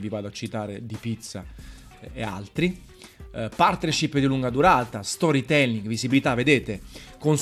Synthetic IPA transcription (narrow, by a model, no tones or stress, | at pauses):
vivaːd̪oat͡ʃːit̪aːɾed̪ipit̪sːa̰ | ea̰lt̪ɾi | part̪nɛɾʃipːd̪iluŋɡad̪uɾaːt̪ast̪ɔɾit̪ɛlniŋɡvizibilit̪avːed̪eːt̪ekons